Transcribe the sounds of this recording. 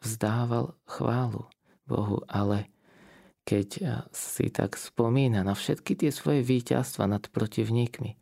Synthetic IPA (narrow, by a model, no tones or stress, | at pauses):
vzd̪aːʋalxʋaːlṵ | bɔ̰ɦṵʔalɛ | kɛcsḭt̪ʰa̰kspɔmiːnanafʃɛt̪kit̪ɪɛsʋɔjɛʋiːca̰st̪ʋa̰nat̪pɾɔciʊɲiːkmi